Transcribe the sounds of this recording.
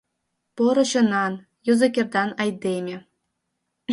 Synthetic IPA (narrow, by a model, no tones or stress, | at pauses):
pŏɾɤ̆ɕɤ̆nɑn | jŭzɤ̆kʲerd̪ɑnɑjd̪ʲemʲĕ